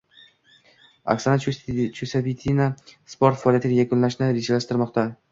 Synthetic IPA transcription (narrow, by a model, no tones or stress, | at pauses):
a̰ksanat͡ʃʰusapit̪ʰinaspoɾt̪faɒljat̪ɪɡʲajakʰʊnlaʃnɪɾed͡ʒalaʃt̪ɪɾmɒqt̪a